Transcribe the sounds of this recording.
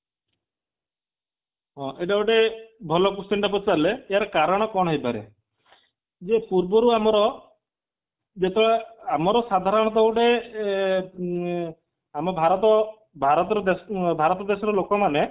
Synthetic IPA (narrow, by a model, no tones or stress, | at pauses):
ɦɔ̃ʔeɖawɖebʱɔlɔkust̪eɳʈap̬ɔt͡ʃaɾleejaɾɔkaɾɔɽ̃ɔkɔɽ̃ɦɔjpaɾḛ | d͡ʒepuɾbɔɾuamɔɾɔ | d͡ʒet̪ʰeɭaamɔɾɔsad̪ʱaɾɔɽ̃ɔd̪ɔwɖe | amɔbʱaɾɔt̪ɔ | bʱaɾɔt̪ɔɾɔd̪esbʱaɾɔt̪ɔd̪esɔɾɔlokɔmane